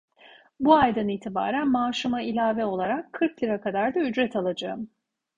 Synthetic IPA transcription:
buajd̪aniːt̪ʰiba̰ːɾænmaːʃɯmailʲaːvɛo̞lˠaɾakʰːɯɾklʲiɾakad̪aɾd̪ayd͡ʒɾɛt̪ʰalˠad͡ʒaɯm

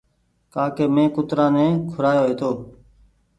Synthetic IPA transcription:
kaːkeːmẽːkʊt̪ɾãːnẽːkʰʊɾaːjoːɦeːt̪oː

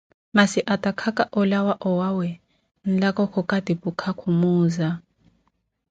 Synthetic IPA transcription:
masɪʔatʼakʰakʼaʔɔlawaʔɔwawɛ | n̩lakʼɔkʰɔkʼadipʼukʰakʰumuːza

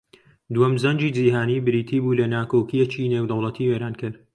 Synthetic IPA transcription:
d̪wɐmzɐnd͡ʒiːd͡ʒiːɦaːnibɨɾiːt̪ʰiːbuːlɐnaːkokijet͡ʃiːneːwd̪ɐwlˠɐt̪ʰiːweɾaːnkʰɨɾ

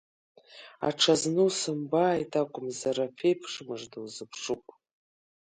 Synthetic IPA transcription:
a̰ʈ͡ʂʰaznɨwsɨmbaːjtʰʼaɡʷʼʊmzaɾapʰejpʰʂmɨʐdɨwzɨpʰʂupʼ

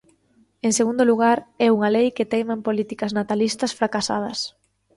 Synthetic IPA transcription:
eŋseɣund̪ʊluɣ̞aɾɛuŋalejkɪt̪ejmampolit̪ikɐznat̪alist̪ɐsfɾakasa̰ð̞ɐs

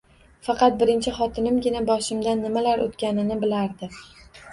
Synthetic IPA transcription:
fɑqɑt̪̚bɪɾɪnt͡ʃʰɪχɒt̪ʰɪnɪmɡʲɪnabɒʃɪmd̪anːɪmalaɾo̰t̪kʲanɪnɪbɪlaɾd̪ɪ

